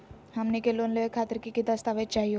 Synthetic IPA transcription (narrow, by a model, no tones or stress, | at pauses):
hamnikelonleʋekʰat̪əɾkikid̪əst̪aʋet͡ʃaɦijo